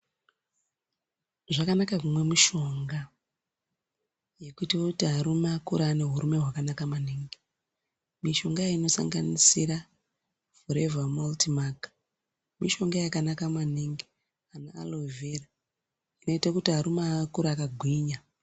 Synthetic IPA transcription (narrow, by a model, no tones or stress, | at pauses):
ʐakanakakumwe̞miʃo̞ŋɡa | je̞kuitaokutiɦaɾumakuɾaːne̞ɦuɾume̞ɦwakanakamaniŋɡi | miʃo̞ŋɡajaino̞sa̰ŋɡanisiɾa | foɾe̞vamaltimakḁ | miʃo̞ŋɡajakanakamaniŋɡi | anaa̰lovʱera | ino̞itakutiɦaɾumakuɾaːkaɡʱwiːɲa